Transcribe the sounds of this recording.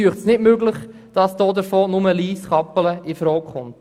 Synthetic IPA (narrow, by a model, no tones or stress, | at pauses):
yːəχtsnɪdmøɡlɪχ | d̥ɑsd̥oːdəɾfɔːnʊməliːsχɑpələɪfɾɔːkχʊnt